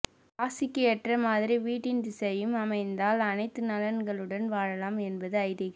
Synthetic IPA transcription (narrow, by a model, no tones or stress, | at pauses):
aːsɪkːɯɛʈrɐmaːðɪɾiʋiːʈːɪnd̪ɪsɐjɯmɐmɐɪnd̪aːlɐnɐɪt̪ːɯnɐlɐnɡɐɭɯɽɐnʋaːɻɐlaːmɛnbɐðɯɐɪðɪɣɐ